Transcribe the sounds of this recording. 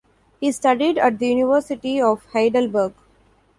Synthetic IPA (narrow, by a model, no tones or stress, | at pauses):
hiːsʈʌɖiɖæʈ̚d̪əjuːniʋəɾsɪʈiɔːʋhaɪɖəlbəɾɡ